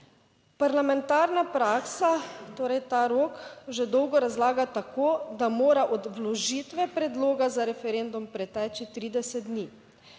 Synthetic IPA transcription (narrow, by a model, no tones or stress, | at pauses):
paɾlamɛnt̪aːɾnapɾaːksat̪oːɾɛjt̪aːɾoːkʒɛd̪ɔwɡɔɾazlaːɡat̪akʰoːd̪amoːɾaʔɔd̪ʋlɔʒiːt̪ʋɛpɾɛd̪loːɡazaɾɛfɛɾend̪umpɾɛt̪ɛːt͡ʃit̪ɾiːd̪ɛsɛt̪̚d̪niː